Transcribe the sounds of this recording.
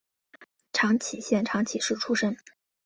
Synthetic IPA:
ʈ͡ʂʰɑ˧˥ŋt͡ɕʰi˨˩ɕjɛ˥˩nʈ͡ʂʰɑ˧˥ŋt͡ɕʰi˨˩ʂɻ̩˥˩ʈ͡ʂʰu˥ʂə˥ŋ

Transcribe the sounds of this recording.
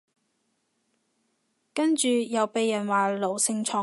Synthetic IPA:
kɐ˥nt͡ʃyː˨jɐ˨wpe˨jːɐ˨˩nwaː˨lo˨˩wsɪ˧ŋt͡ʃʰɔː˨

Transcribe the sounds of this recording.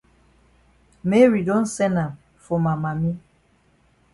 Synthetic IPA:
mɛ˦ɹi˨dɔ̃˦nsɛ˦na˨m | fɔ˨ma˨ma˨mi˦

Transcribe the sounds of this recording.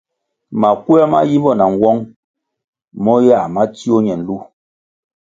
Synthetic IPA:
ma˨kwɛ˦ma̰˦ji˦bɔ˦˨na˨ŋ˨wɔ˦ŋ | mɔ˦ja˦˨ma˦t͡si˦o˦ɲɛ˨n̩˨˦lu˦˨

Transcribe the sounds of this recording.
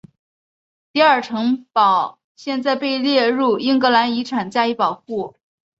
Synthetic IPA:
t̪i˥˧a˞˥˩ʈ͡ʂʰɤ˧˥ŋpɑ˨˩ʊ | ɕjɛ˥˧nt͡sa˥˧ɪpe˥˧ɪljɛ˥˧ɻu˥˩i˥ŋkɤ˧˥la˧˥ni˧˥ʈ͡ʂʰa˨˩nt͡ɕja˥˧i˧˥pɑ˨˩ʊxu˥˩

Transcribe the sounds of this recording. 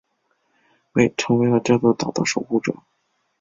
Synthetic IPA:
we˥˩ɪʈ͡ʂʰɤ˧˥ŋwe˧˥ɪlə˧ʈ͡ʂɤ˥˧˥t͡sə˥˩t̪ɑ˨˩ʊd̪ə̰˥ʂo˨˩ʊxu˥˩ʈ͡ʂɤ̰˨˩˦

